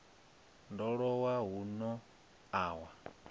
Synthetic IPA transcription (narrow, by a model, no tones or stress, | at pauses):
ndɔɺɔwaɦunɔ | aːwa